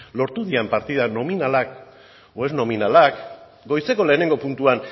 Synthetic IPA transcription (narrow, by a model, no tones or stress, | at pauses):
lo̞ɾt̪uðiampaɾt̪iðano̞minalak | oe̞zno̞minalak | ɡo̞jse̞ko̞le̞ːne̞ŋɡo̞punt̪uan